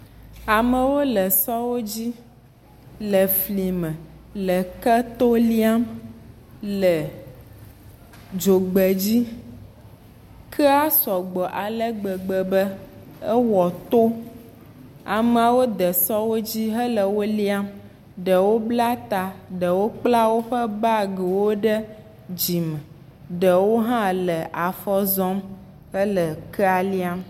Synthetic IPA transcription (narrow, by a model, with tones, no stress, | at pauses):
a˨mə˨wo˦lə˨sɔ˦wo˦d͡ʑi˦ | lə˨fli˨mə̃˨ | lə˨kə˦t̪o˦li˦a˦m | lə˨ | d͡ʒo˨ɡ͡bə˨d͡ʑi˦ | kʰə˦a˦sɔ˨ɡ͡bɔ˨ʔa˨lə˦ɡ͡bə˨ɡ͡bə˨bə˦ə˦wɔ˨t̪o˦ | a˨m˨a˨wo˦d̪ə˨sɔ˦wo˦d͡ʑi˦ɦə˦lə˨wo˦li˦a˦m | ɖə˨wo˦bla˦t̪a˨ɖə˨wo˦k͡pla˦wo˦ɸə˦ba˦ɡə˨wo˦ɖə˦ | d͡ʑi˨mə˨ | ɖə˨wo˦ɦã˦lə˨ʔa˨fɔ˦zɔ˦m | ɦə˦lə˨kʰə˦a˨li˦a˦m